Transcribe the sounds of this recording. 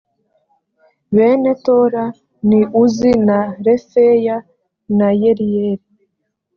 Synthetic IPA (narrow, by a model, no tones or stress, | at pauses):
βeːnetoɾa | niʔuzinaɾefeja | najeɾijeɾi